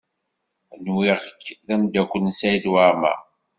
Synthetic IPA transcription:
nwiʁəkːðæmd̪ækʷːənsæjid̪waɾmæ̰

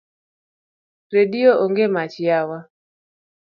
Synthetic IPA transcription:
redioʔoŋɡemat͡ʃjawa

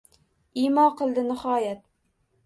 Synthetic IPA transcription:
ɪmɒqʰɨlˠd̪ɪnɪhɒjat̪̚

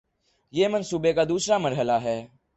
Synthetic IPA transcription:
jeːmənsuːbekaːd̪uːsɾaːməɾɦəlaːɦɛː

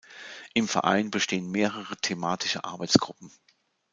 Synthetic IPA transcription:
ʔɪmfɛɐʔa̰ɪnbəʃteːənmeːʁəʁətʰemaːtʰɪʃəʔa̰ɐbaɪt͡sɡ̥ʁʊpm̩

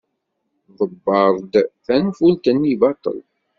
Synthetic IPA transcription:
ðˤəbːɑɾˤd̪θænfult̪ənːibɑt̪ˤə̰l

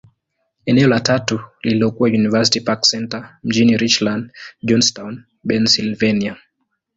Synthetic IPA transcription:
ɛnɛɔlatatuliliɔkuwajunivasi̥tipaksɛntam̩d͡ʒiniɾit͡ʃlandd͡ʒɔnstawn | bɛnsilvɛnia

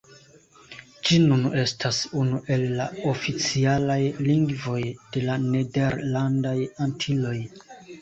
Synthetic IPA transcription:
d͡ʒinunʔe̞stʰasunuʔe̞lːao̞fit͡sialajliŋɡvo̞jd̥e̞lane̞de̞ɾlandajantʰilo̞j

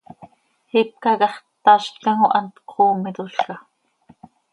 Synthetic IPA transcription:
hip̚kɑkɑχt̪ɑʃt̪kɑŋoʔɑnt̪qʰoːmɪt̪ʊɬkɑ

